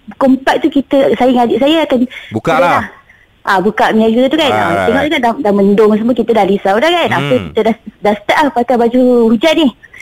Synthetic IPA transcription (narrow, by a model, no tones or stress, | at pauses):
kompaʔ̚t̪ukit̪əsajiŋadiʔsajaakanukdəla | ʔabukaʔmiajkit̪ət̪ukana̰t̪eŋɔʔseŋaʔdadaməndoŋs̬əməkit̪ədahlisaudahkanapəkit̪ədadasə̥t̪aʔlahpak̪abad͡ʒuhud͡ʒaʔ̪̚nih